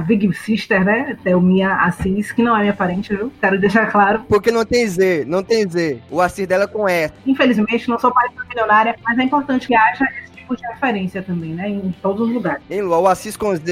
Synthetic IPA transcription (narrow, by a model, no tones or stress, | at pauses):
viɡisiʃt̪eɾnɛt̪ɛʊmĩɐasiskɪnɐ̃w̃ɛmĩɲɐpaɾẽnt͡ʃɪviwkɛɾʊd̪eʃaɾklaɾʊpoɾkenɐ̃w̃t̪ẽj̃zenɐ̃w̃t̪ẽj̃zeʊasizd̪ɛlɐkõɛsɐĩfelizmẽt͡ʃɪnɐ̃w̃sowpaɾẽt͡ʃd̪ɐmiljonaɾjɐmɐzɛĩpoɾt̪ɐ̃nt͡ʃɪ̥kɪaʒɐesɪ̥t͡ʃi̥pʊd͡ʒɪhefeɾẽsiɐt̪ɐ̃mbẽj̃nɛẽj̃t̪od̪ʊzʊzluɡaɾɪsẽj̃luaʊasiskõz